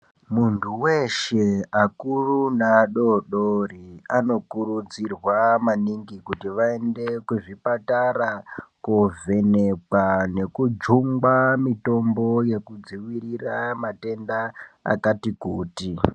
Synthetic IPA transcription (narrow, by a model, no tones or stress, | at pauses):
muntʰuwe̞ʃe̞akurunaɗo̞ɗoriano̞kuɾud͡zirwamaniŋɡikutiʋae̞nde̞kuʐipatarakove̞ne̞k͡pane̞kud͡ʒuŋɡamito̞mbo̞je̞kud͡ziwiriramate̞ndaa̰katikuːti